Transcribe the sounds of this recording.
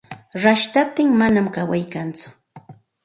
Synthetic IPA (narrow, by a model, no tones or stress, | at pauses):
ɾaʃt̪ap̚t̪ɪŋmanamkawajkant͡sʊ̥